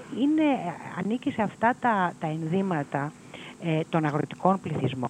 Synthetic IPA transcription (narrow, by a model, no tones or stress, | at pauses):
ine̞ɐ̰nicise̞ɐft̪ɐt̪ɐt̪ɐenðimɐt̪ɐ | t̪o̞nɐɣɾo̞t̪i̥ko̞npliθizmo̞̰